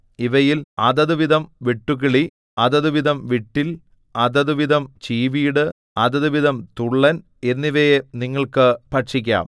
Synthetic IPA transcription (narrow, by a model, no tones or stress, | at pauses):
iʋɐjilɐ̰ðɐðuʋiðɐmʋeʈːuɣiɭi | ɐðɐðuʋiðɐmʋiʈːil | ɐðɐðuʋiðɐmt͡ɕiːʋijɽɨ | ɐðɐðuʋiðɐmt̪uɭːɐn | e̞nːiʋɐjeniŋːɐɭkɨpɐʈʂikʲːa̰ːm